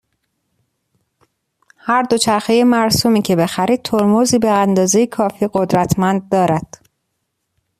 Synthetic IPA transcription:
hæɾd̪o̞t͡ʃʰæɾxejemæɾsuːmiːcʰe̞be̞xæɾiːd̪̚t̪ʰoɾmoziːbeænd̪ɒːze̞jekʰɒːfiːɢo̞d̪ɾæt̪ʰmænd̪̚ːɒːɾæd̪̥

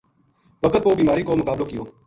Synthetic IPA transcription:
ʋəkət̪̚poːbiːmaːɾiːkoːməkaːbloːkɪjoː

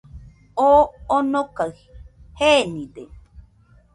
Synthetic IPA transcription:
oonokahihenĩde

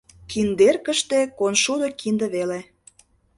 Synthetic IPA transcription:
kind̪erkə̆ʃt̪ekonʃud̪ŏkind̪ə̆βele

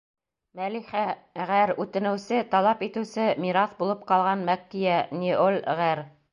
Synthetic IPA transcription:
mæliχæʁæɾʉt̪ɘ̆nɘ̆wsɘt̪ɑlˠɑpit̪ɘ̆wsɘmiɾɑθbulˠɤp̚qɑlˠʁɑnmækːijænʲiʔolʲʁæɾ

